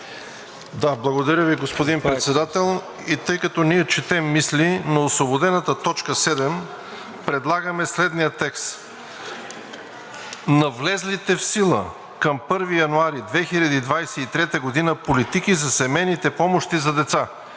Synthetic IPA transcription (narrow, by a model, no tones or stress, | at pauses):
d̪ablˠɐɡod̪ɐɾʲəviɡospod̪inpɾɛt̪sɛd̪at̪ɛlˠ | it̪ɤjkət̪ɔniɛt͡ʃɛt̪ɛmːislʲinɐoslobod̪ɛnət̪ət̪ɔt͡ʃkəsɛd̪ɛm | pɾɛd̪lˠaɡəmɛslɛd̪nijət̪ɛkst̪ | nɐvlɛzlit̪ɛfsilˠə̰ | kɐmpɤɾvijɐnuaɾid̪vɛxilʲɐd̪iːd̪vajsɛit̪ɾɛt̪əɡod̪inəpolit̪ikizɐsɛmɛjnit̪ɛpɔmoʃt̪izɐd̪ɛt̪sa